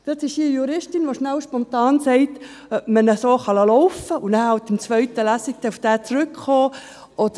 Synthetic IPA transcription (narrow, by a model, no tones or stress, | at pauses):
d̪̥ətɪʃijuɾɪʃtɪnʋoʃnawʃpɔnt̪ɑːnsɛɪt | œpmənəsoːχɑləlɔʊfəʊnæːhɑwt̪ɪmt͡svʋœʏt̪əlæsik̚t̪ɛufd̥æːt͡sɾʏkχoː | ʔɔd̥̪ə